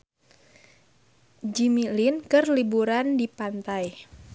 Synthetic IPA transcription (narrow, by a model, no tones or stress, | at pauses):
d͡ʒimilinkɨrlibuɾandipant̪aj